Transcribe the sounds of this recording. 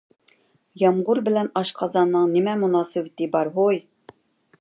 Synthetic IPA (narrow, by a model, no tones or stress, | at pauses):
jɑmʁʊɾbɪlɛnɑʃqʰɑzɑnːɨŋnɪmɛmunɑːsɨwɪt̪ɪbɑɾɦoj